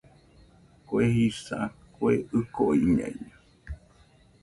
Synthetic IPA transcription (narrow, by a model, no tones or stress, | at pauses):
koehisa̰koeʔɨkoiɲã̰iɲa